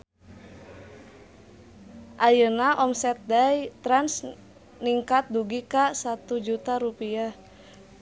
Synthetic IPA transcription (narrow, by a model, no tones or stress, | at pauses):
ʔajənaʔɔmsɛt̪̚dajt̪ɾans | niŋkat̪̚duɡikasat̪ud͡ʒut̪aɾupia